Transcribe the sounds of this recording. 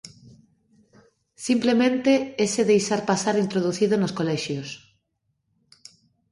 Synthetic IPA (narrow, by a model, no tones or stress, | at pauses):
simplemẽnt̪eeseðejʃaɾpasaɾint̪ɾoð̞uθiðonoskolɛʃjos